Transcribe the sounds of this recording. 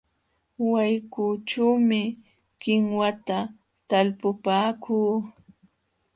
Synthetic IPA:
wajkuʈ͡ʂuːmɪ | kɪŋwat̪a | t̪alpʊpaːkʰuː

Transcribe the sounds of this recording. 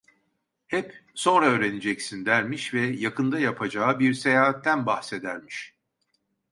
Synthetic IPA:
hɛpso̞nɾaøːɾe̞nid͡ʒɛcsind̪æɾmiʃvɛjakʰɯnd̪ajapʰad͡ʒaːɯbiɾse̞jaːat̪ʰːænbahse̞d̪æɾmiʃ

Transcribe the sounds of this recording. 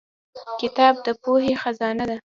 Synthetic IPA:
kɪt̪ɑb̚d̪əpoɦexazɑnad̪a

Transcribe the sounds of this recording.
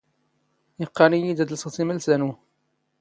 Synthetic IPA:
jəqːɑnijid̪æd̪lssimælsænu

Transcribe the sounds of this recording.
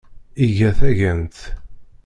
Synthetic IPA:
iʝæθæʝænt̪

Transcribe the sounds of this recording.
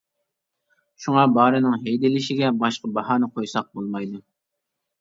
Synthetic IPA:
ʃuŋɑbɑːɾɨnɪŋɦejd̪ɪlɪʃɪɡʲɛbɑʃqəbɑhɑːnɨqʰojsɑq̚bolˠmɑjd̪u

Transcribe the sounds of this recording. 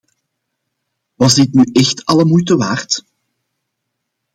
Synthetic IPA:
ʋɑzdɪtnyʔɛxtɑləmujtəʋaːrt

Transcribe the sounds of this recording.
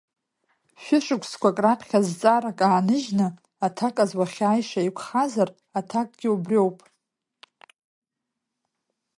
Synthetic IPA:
ʃᶣɪʂʼɨkʷʰskʷakʼrapʰχʲazt͡sʼaɾakʼaːnɨʒnɨ | atʰakʼazwaχʲaːjʂaikʷʰχazar | atʰakʼɡʲɪubrʲowpʼ

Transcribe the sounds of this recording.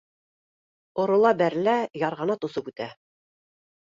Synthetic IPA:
ŏɾŏlˠɑbæɾlæjɑɾʁɑnɑt̪ŏsɤpʉt̪æ

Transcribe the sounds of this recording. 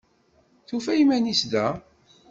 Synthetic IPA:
θufæjimænisd̪æ

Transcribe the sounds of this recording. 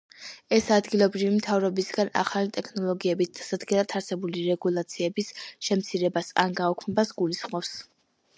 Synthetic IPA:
ɛsad̪ɡilˠɔbɾivimt̪ʰavɾɔbisɡana̰χalit̪ʼɛkʰnɔlˠɔɡiɛbisd̪̥asad̪ɡɛnat̪ʰaɾsɛbuliɾɛɡulˠat̪sʰiɛbisʃɛmt̪sʰiɾɛbasa̰nɡaɔkʰmɛbasɡulisχmɔfs

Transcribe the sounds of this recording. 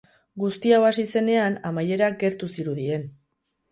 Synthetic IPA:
ɡust̪iaβasise̞ne̞anamaje̞ɾaɡe̞ɾt̪usiɾuðie̞n

